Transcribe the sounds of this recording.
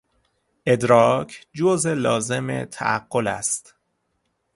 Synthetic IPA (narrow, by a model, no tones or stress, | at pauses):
ʔe̞d̪ɾɒːkʰd͡ʒozelɒːze̞mḛt̪ʰæ̰ʔæ̰ɡːolæ̰st̪